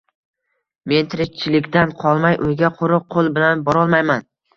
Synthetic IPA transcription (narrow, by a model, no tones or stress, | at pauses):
me̞nt̪ʰɪɾɪk̚ʲt͡ʃʰɪlɪkʲd̪anqʰɒlˠmajʔʊjɡʲaqʰʊɾʊq̚ʰːolˠbɪlanbɒɾɒlˠmajman